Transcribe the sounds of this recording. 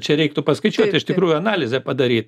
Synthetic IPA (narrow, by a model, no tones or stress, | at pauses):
t͡ʃʲɛɾʲɛɪkt̪ʊpɐskɐɪt͡ʃʲuɔt̪ʲɪʃt̪ʲɪkɾuːjʊɐnɑːlʲɪzʲɛpɐd̪ɐɾʲiːt̪